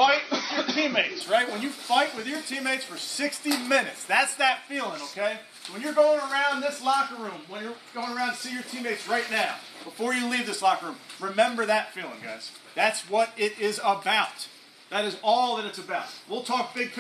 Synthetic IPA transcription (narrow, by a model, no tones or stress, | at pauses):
faɪt̚wɪðjə˞tʰĩmeɪtsɹaɪt̚wə̃njɨfaɪʔ̚wɨðjə˞tʰĩmeɪtsfə˞sɪkstimɪ̃nɨtsðætsðɨtfilˠɪ̃ŋoʊkʰeɪ | wə̃njə˞ɡoʊɪ̃ŋə˞ãʊ̃nðɪslɑkəɹũmwə̃njə˞ɡ̥oʊɪ̃ŋə˞ãʊ̃ntʰsijə˞tʰĩmeɪtsɹaɪtⁿnaʊ | b̥əfɔɹjɨlivðɪslɑkə˞ʉ̃mɹɨmɛ̃mbə˞ðɨtfilˠɪ̃ŋɡa̰ɪz̥ | ðætswʌɾɪɾɪzəbaʊt̪̚ | ðɨɾɨzɔlˠðɨɾɨtsɨbaʊt̚wilˠtʰɔk̚b̥ɪɡ̚pʰ